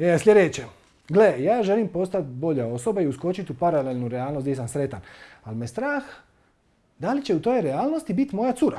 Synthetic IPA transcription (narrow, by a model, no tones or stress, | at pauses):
eslʲʎʲed̪et͡ɕe | ɡlejaːʒe̞limpo̞st̪at̪bo̞ʎao̞so̞baiusko̞t͡ʃit̪upaɾalelʲnuɾeaːlno̞st̪jesamsɾe̞t̪analmest̪ɾaːx | d̪alit͡ɕe̞ut̪o̞ːjɾeaːlno̞st̪ibit̪mo̞jat̪suɾa